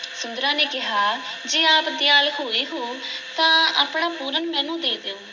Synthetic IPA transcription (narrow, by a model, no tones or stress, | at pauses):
sʊnd̪əɾãːneːkɪɦaːd͡ʒeːaːpd̪jaːlɦoːeːɦoːt̪ãːaːpɳaːpuːɾənmɛ̃ːnũːd̪eːd̪eːoː